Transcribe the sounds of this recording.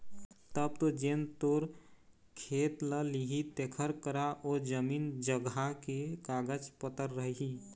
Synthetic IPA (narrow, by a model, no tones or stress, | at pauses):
t̪əb̚t̪od͡ʒent̪oɾ | kʰet̪ləliɦit̪ekʰəɾkəɾaʔod͡ʒəmiːnd͡ʒəɡakekaɡəd͡ʒpət̪əɾːəɦiɦi